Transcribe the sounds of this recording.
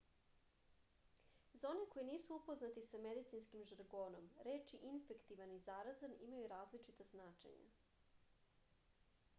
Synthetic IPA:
zaoneko̞jiniːsuupo̞znat̪isamed̪it̪sinskimʒaɾɡoːno̞mɾe̞ːt͡ʃiʔinfe̞kt̪iʋanizaɾazanimajuɾaːzlit͡ʃit̪aznaːt͡ʃḛɲa̰

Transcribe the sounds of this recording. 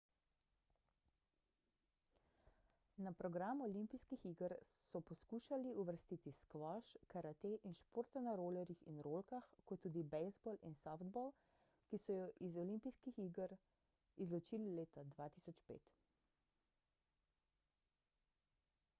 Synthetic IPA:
napɾɔɡɾaːmuɔlimpijskixiɡəɾsɔpɔskuːʃaliuʋəɾst̪iːt̪iskʋɔʃkaɾat̪eʔinʃpoːɾt̪anaɾoːlɛɾjixinɾoːlkaxkɔt̪ːuːd̪ibɛzbɔlinsɔfd̪bɔl | kisɔjɔʔizɔlimpijskixiɡəɾ | izlɔt͡ʃiːlileːt̪ad̪ʋaːt̪isɔt͡ʃpḛːt̪

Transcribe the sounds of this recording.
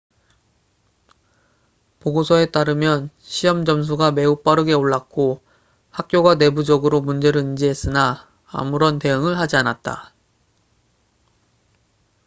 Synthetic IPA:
poɡosʰʌe̞t͈aɾɯmjʌn | ɕʰiʌmd͡ʑʌms̬ʰuɡame̞up͈aɾɯɡe̞oɭːak̚k͈o | hak̚k͈joɡane̞bud͡ʑʌɡɯɾomund͡ʑe̞ɾɯɯnd͡ʑiɦes͈ɯna̰ː | muɾʌnte̞ɯŋɯɭhad͡ʑianat̚t͈a̰

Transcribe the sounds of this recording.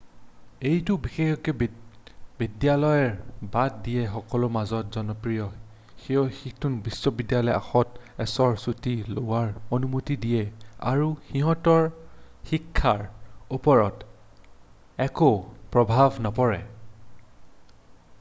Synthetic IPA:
ejtʊbixexɔkɛ | bidjalɔjɛɹbat̚dijɛxɔkɔlʊmazɔtzɔnɔpɹijɔ | xiɔxiktunbisːɔbidjalɔja̰xɔtɛsɔɹsutilowaɹonumutidijɛa̰ɹuxiɦɔtɔɹ | xikʰːaɹupɔɹɔt | ɛkopɹɔbʱabʱnɔpɔɹɛ

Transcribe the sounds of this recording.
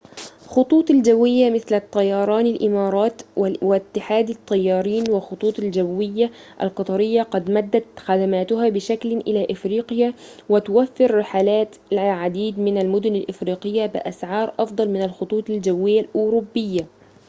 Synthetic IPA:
xʊt̪ˤuːt̪ˤald͡ʒawːɪjːamɪθlat̪ˤːɑjɑːɾˤɑːnɪlʔɪmɑːɾˤɑːt̪wwɪt̪ːɪħaːd̪ɑt̪ˤːɑjːɑːɾiːnwɪxʊt̪ˤuːt̪ˤald͡ʒawːɪjːa | ʔa̰lqɑt̪ˤɑɾɪjːaqɑd̪mad̪ːat̪xad̪amaːt̪ʊɦaːbɪʃaklɪʔɪlaʔɪfɾiːqjawɪt̪ʊwafːɪɾːɪħaːlaːt̪ʕad̪iːd̪mɪnalmʊd̪ʊnɪlʔɪfɾiːqɪjːabɪ̰ʔasʕɑːɾˤʔɑfd̪ˤɑlmɪnalxʊt̪ˤuːt̪ˤɪld͡ʒawːɪjːalʔʊːɾubːɪjːa

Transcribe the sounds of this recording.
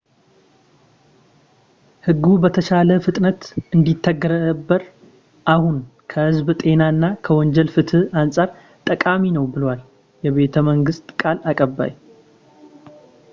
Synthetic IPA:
hɨɡːubət̪ʰəʃaləfɨt̪ʼnət̪ɨnd̪it̪ʰːəɡːəɾəbːəɾ | ʔahunkʰəhɨzbt̪ʼe̞naɨnːakʰəwɔɲd͡ʒɛlfɨt̪ʰɨhansʼaɾ | t̪ʼəkʼaminəwbɨlwal | jɛβe̞t̪ʰəməŋɡɨst̪ʼkʼalakʼəbːa̰j

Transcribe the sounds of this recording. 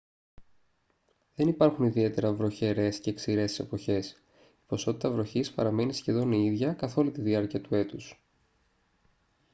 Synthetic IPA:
ðe̞nipɐɾxuniðie̞t̪e̞ɾɐvɾo̞çe̞ɾe̞sceːksiɾe̞se̞po̞çe̞s | ipo̞so̞t̪it̪ɐvɾo̞çispɐɾɐme̞nisçe̞ðo̞niðʝɐkɐθo̞lit̪iðiɐɾciɐt̪ue̞t̪us

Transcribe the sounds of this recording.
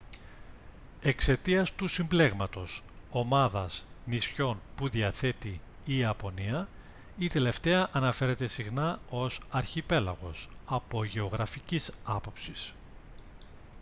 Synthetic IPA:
e̞kse̞t̪iɐst̪usimble̞ɣmɐt̪o̞s | o̞mɐðɐznisço̞npuðiɐθe̞t̪iː | ɐpo̞niɐ | it̪e̞le̞ft̪e̞ɐʔɐnɐfe̞ɾe̞t̪e̞siɣnɐo̞sɐɾçipe̞lɐ̰ɣo̞sɐpo̞ʝe̞o̞ɣɾɐficisɐpo̞psis

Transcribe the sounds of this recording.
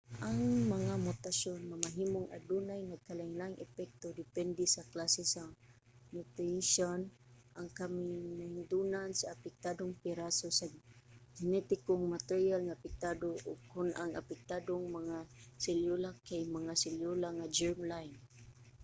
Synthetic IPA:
ʔaŋmaŋamʊt̪asonmamaɦimʊŋʔa̰d̪unajnaɡ̚kalaiŋlaŋʔɛpɛk̚t̪od̪ɪpɛnd̪ɛsaklasɛsa | mut̪iʃon | ʔaŋkamɪnahiŋd̪unansaːpɪk̚t̪ad̪oŋpɪɾasosad͡ʒɪnɛt̪ɪkoŋmat̪ɛɾjalŋaapɪk̚t̪ad̪oʔʊɡ̚kʊnʔaŋa̰pɪk̚t̪ad̪oŋmaŋasɛljulakajmaŋasɪljulaŋad͡ʒɛɹmlajn

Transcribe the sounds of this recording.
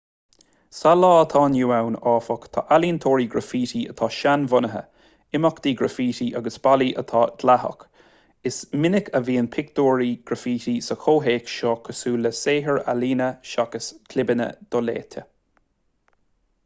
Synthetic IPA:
salɑːət̪ʰɑːnjuːawnɑːfɔkt̪ʰɑ̰ʔaliːnt̪ʰoːɹiːɡɾəfiːtiə̰t̪ʰɑːʃanvʊnəɦə̰ | ɪmɔkd̪iːɡɹəfiːtiʔaɡəsb̥aliʔə̰t̪ʰɑːd̪̥lahə̰k | ɪsmɪnɪkəviːənpʰɪk̚d̪oːɹiɡ̥ɾəfiːtisəxʰoːɦeːkʃɔːkʰəsuːləseːɦəɹaliːnəʃakəskʰlɪbənə̰d̪̥ɔlḛːtʰə̰

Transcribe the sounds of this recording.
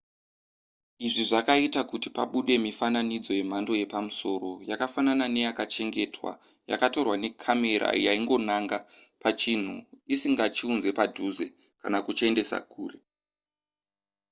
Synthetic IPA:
iʐiʐakaitakutipa̰ɓuɗe̞mifananid͡zo̞je̞m̤ando̞je̞pamuso̞ro̞jakafananane̞jakat͡ʃe̞ŋɡe̞twa̰ | ja̰kato̞rwane̞kʰame̞ɾa̰jaiŋɡo̞naŋɡapat͡ʃin̤uisiŋɡat͡ʃiunze̞padʱuze̞ | kanakut͡ʃe̞nde̞sa̰kʰuːɾe̞

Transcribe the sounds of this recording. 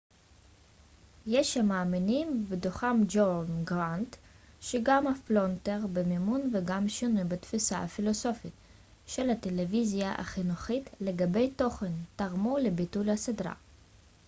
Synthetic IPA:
jeʃhamaːminimbedoχamd͡ʒonɡʁant | ʃeɡamhaflonteʁbemimunveɡamʃinujbet̪fisaafilo̞so̞fit | ʃe̞lhat̪elevizjaʔa̰χinuχit̪le̞ɡabe̞jto̞χentaʁmulebitulhasedʁa̰

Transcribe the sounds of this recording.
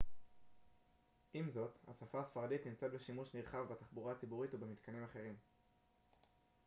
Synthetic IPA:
ʔimzo̞t̪ha̰safaːsfaʁadit̪nimt͡set̪̚be̞ʃimuʃniʁχavbat̪aχbuʁaat͡sibuʁitubemit̪kʰanimaχe̞ʁim

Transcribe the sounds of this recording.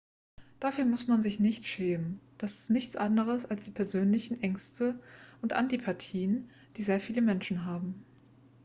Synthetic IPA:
d̥aːfyːɐmʊsmanzɪçnɪçtʃɛːmənd̥asɪ̥stnɪçt͡sʔandəʁəsalsd̥iːpʰɛɐzøːnlɪçn̩ʔɛŋstʰəʔʊntʔa̰ntipʰatʰiːən | d̥iːzeːɐfiːləmɛnʃn̩ɦaːbm̩

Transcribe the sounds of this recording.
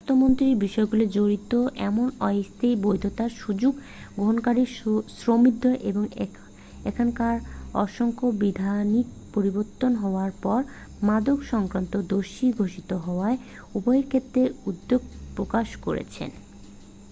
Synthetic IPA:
t̪ʰomont̪ɾiɾbiʃɔeɡuled͡ʑoɾit̪oʔɛmonɔest̪ejbojd̪ʱot̪aɾʃud͡ʑuɡ | ɡoɦonkaɾisɾomid̪ʱːoʔeboŋ | ekʰankaɾɔ̰ʃoŋkobid̪ʱanik̚ | poɾiboɾt̪ːonɦɔoaɾpɔɾ | mad̪okʃɔŋkɾant̪od̪oʃiɡʱoʃit̪oɦɔoae | ubɔeɾkʰet̪ːɾeud̪ːoɡ̚pɾokaʃkoɾḛt͡ɕʰḛn

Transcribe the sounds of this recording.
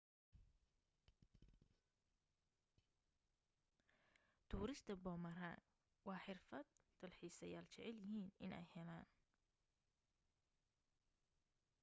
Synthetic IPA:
t̪ʰuːɾɪst̪ʰɐbɔːmɐra̰ːn | wɑːħɪrfɐd̪t̪ʰɐlħiːsɐjaːlt͡ʃɛʕɛljɪɦiːnɪnɛ̰jhɛlaːn

